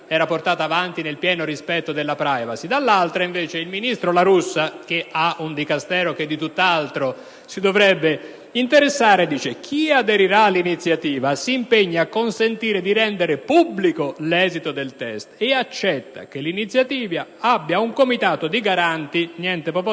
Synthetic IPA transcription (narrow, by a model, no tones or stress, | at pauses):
ɛːɾaport̪aːt̪aːvant̪inelpjɛːnoɾispɛt̪ːod̪elːapɾajvasid̪alːalt̪ɾaiɱveːt͡ʃeilminist̪ɾolaɾusːak̟eaund̪ikast̪ɛːɾoked̪ːit̪ut̪ːalt̪ɾo | sid̪ovɾɛbːe | int̪eɾesːaːɾed̪iːt͡ʃek̟ʰiad̪eɾiɾaːlːinit̪sːjat̪iːvasiːmpeɲːaːkːonsent̪iːɾed̪iɾɛnd̪eɾepubːlikolɛːzit̪od̪elt̪ɛst̪eat͡ʃːɛt̪ːa̰kelːinit̪sːjat̪iːvaabːjauŋkomit̪aːt̪od̪iɡaɾant̪injɛnt̪epɾop